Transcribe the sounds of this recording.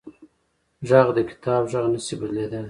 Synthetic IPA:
ʒaɣd̪əkɪ̥t̪ʰɑbʒɑʁnəsibəd̪led̪a

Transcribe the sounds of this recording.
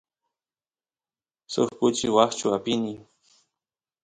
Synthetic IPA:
sʊ̰χkʊt͡ʃɪwaχt͡ʃʊapɪni

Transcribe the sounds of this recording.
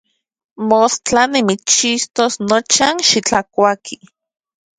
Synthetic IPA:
mostanimit͡st͡ʃist̪osnot͡ʃanʃit͡ɬakʷakʰi

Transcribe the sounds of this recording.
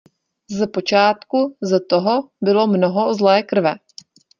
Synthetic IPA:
zɛpot͡ʃaːt̪kuzɛt̪oɦo | bɪlo̞mnoɦo̞zlɛːkr̩vɛ

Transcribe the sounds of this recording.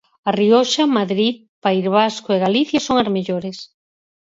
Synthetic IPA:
arioʃamaðɾið | paiɾβaskoeɣaliθjɐsoŋazmeʎoɾes

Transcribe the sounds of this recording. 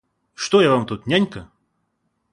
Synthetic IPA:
ʂt̪ojavamt̪ut̪nʲanʲkə

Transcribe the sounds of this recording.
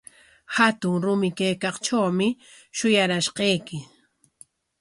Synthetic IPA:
hat̪ʊŋɾʊmɪkajkɑχt͡ʃawmɪ | ʃʊjaɾaʃqɑjkɪ

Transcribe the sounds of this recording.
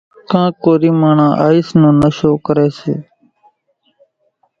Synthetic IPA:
kãːkoːɾiːmaːɳãːʔaːiːsnũːnəʃoːkəɾeːsḛː

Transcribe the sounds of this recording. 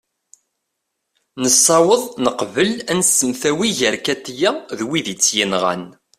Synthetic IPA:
nəsˤːɑwəðˤnəqvəlænsəmθæwiʝəɾkæt̪ːjæðwiðit͡sːjinʁæ̰n

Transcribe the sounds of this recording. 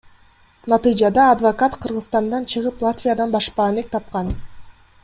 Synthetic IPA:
nɑt̪ɨjd͡ʒɑd̪ɑːd̪vokat̪qʰɯɾʁɯzst̪ɑnd̪ɑnt͡ʃʰɯʁɯplˠat̪vʲijad̪ɑnbɑʃpɑːnek̚t̪ʰɑp̚qɑn

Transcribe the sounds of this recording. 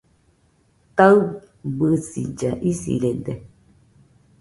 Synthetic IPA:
t̪aɨ | bɨsḭd͡ʒaʔisḭɾed̪e

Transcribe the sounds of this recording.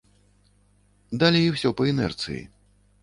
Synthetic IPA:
d̪alʲijiwsʲɔpɐɛnɛ̰rt̪sɨ̰jḭ

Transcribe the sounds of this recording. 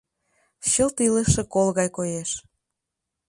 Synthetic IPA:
ɕəlt̪iləʃĕkolɣɑjkojeʃ

